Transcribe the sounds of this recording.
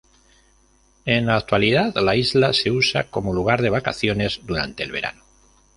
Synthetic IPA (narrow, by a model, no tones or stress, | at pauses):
e̞nlaːk̚t̪waliðaðlaizlase̞usa̰ko̞moluɣ̞aɾðe̞βaka̰θjo̞ne̞zd̪uɾa̰nt̪e̞ːlβe̞ɾa̰no